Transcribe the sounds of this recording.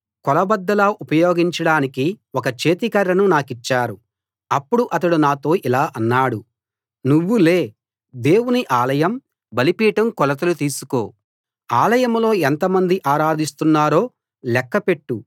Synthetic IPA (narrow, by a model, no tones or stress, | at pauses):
kɔlɐbɐd̪ːɐlaːʔupɐjo̞ːɡiɲt͡ʃɐɽaːnikiɔkɐt͡ʃe̞ːt̪ikɐɾːɐnunaːkit͡ʃːaːɾu | ɐpːuɽuʔɐt̪ɐɽunaːt̪o̞ːʔilaːʔɐnːaːɽu | nuʋːule̞ː | d̪e̞ːwuniʔaːlɐjɐm | bɐlipiːʈɐmkɔlɐt̪ɐlut̪iːsu̥ko̰ː | aːlɐjɐmlo̞ːɛnt̪ɐmɐnd̪iʔaːɾaːd̪ist̪unːaːɾo̞ː | lɛkːɐpe̞ʈːu